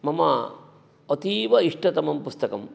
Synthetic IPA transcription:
mɐmɐ | ot̪iːʋɐiʂʈɐt̪ɐmɐmpust̪ɐkɐm

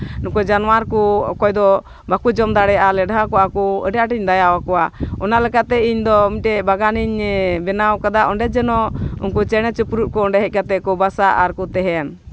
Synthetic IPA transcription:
nukɔd͡ʒanwaɾkukɔjd̪ɔ | bakud͡ʒɔmd̪aɽɛʔalɛɖɦakɔakuəɖaʈiɲd̪ajawakɔwaɔnaʔlɛkat̪ɛiɲd̪ɔmiʈɛbaɡaniɲbɛnawkad̪aʔɔɳɖɛd͡ʒɛnɔṵnkut͡ʃɛɽ̃ɛt͡ʃupɾuʔ̪̚kɔɔɳɖɛɦɛc̚kat̪ɛʔkɔbasaʔaɾkut̪ɛɦɛn

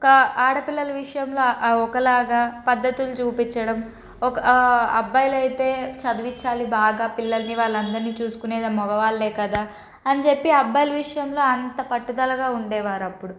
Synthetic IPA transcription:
ɔkɐaːɽɐpilːɐlɐʋiʂɐjɐmlo̞ːɔkɐlaːɡaːpɐd̪ːɐt̪ilut͡ʃuːpit͡ʃːɐɽɐm | ɔkɐɐbːɐjɐlɐjit̪e̞ːt͡ʃɐd̪uʋit͡ʃːaːlibaːɡaːpilːɐlɐniʋaːɭːɐnd̪ɐɾniːt͡ʃuːsu̥kuneːd̪ɐmɔɡɐʋaːlːeːkɐd̪aː | ɐnit͡ʃe̞pːiɐbːɐjlɐʋiʂɐjɐmlo̞ːɐnt̪ɐpɐʈːud̪ɐlɐɡaːuɳɖɛːʋaːɾɐpːuɽu

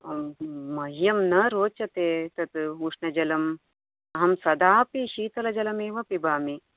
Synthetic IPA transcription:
mɐɦjɐmnɐɾoːt͡ʃɐt̪eːt̪ɐt̪uʂɳɐd͡ʒɐlɐm | ɐɦɐmsɐd̪aːpiʃiːt̪ɐlɐd͡ʒɐlɐmeːʋɐpibaːmi

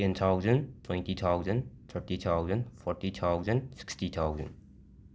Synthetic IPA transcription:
ɛ̃nt̪ʰawzə̃ntʰwɛ̃ntit̪ʰawzə̃nt̪ʰəɹtit̪ʰawzə̃nfɔɹtit̪ʰawzə̃nsɪ̥kstit̪ʰawzə̰̃n

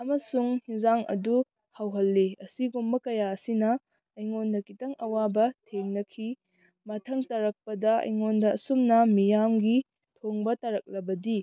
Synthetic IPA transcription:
ɐmɐsuŋhiŋzaŋɐ̰du | hawɦɐlːeɐsiɡumbɐkɐjaɐsinɐ | ɐjŋondɐkitɐŋʔɐwabɐtʰeŋnɐkʰi | mɐtʰɐŋtɐɾɐk̚pɐdɐɐ̰jŋondɐɐsumnɐmijamɡi | tʰoŋbɐtɐɾɐk̚lɐbɐdi

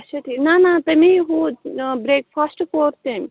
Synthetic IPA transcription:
ʃɐʈ̪inanãt̪ɐmiɦubɾeːkfasʈkoːɾt̪em

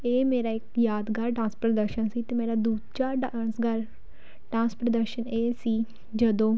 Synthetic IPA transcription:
eːmeːɾaːɪkjaːd̪ɡəɾʈãːnspɾəd̪əɾʃənsiːt̪eːmeːɾaːd̪uːd̪d͡ʒaːɖansɡəɾ | ʈãːspɾəd̪əɾʃəneːsiː | d͡ʒəd̪õː

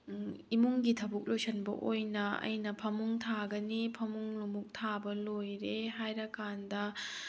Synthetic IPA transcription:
imuŋɡitʰɐbuk̚lojsɐnbɐ̰ʔojnɐɐ̰jnɐpʰɐmuŋtʰaɡɐnipʰɐmuŋlumuk̚tʰabɐlojɾeɦajɾɐkandɐ

